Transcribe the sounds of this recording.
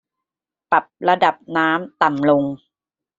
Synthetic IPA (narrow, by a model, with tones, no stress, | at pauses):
pa˨˩p̚ɾa˧da˨˩p̚naː˦˥mt̪a˨˩mlo˧ŋ